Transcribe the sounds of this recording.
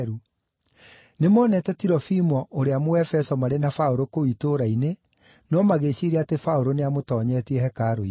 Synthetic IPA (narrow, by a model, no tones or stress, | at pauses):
ɾu | nemɔːnɛtɛtiɾɔfimɔʔoɾeamoɛfɛsɔmaɾenafaoɾokoitoɾaine | nɔmaɣeɕiɾeatefaoɾoneamotɔːɲɛtiɛhɛkaɾoi